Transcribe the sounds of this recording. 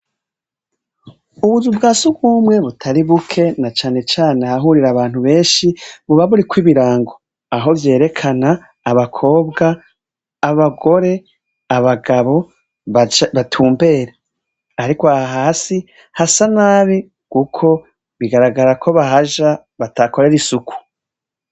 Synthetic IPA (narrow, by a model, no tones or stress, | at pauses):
uβuzubɡaːsuɡuːmŋe̞βutʰaɾiβukʰe̞nat͡ʃaːne̞t͡ʃaːne̞haɦuɾiɾaβaːn̥huβe̞ːnʃiβuβaβuɾikwiβiɾaːŋɡo̞ | aɦo̞vje̞ːɾe̞kʰanaː | βakʰo̞ːbɡaː | βaɡo̞ɾe̞ | aβaɡaβo̞ | βatʰuːmbe̞ːɾe | aɾikwoaaɦaːsi | hasanaːβi | kukʰo̞ | βiɡaɾaɡaɾakʰo̞βaɦaʒa | βatako̞ɾe̞ɾisuku̥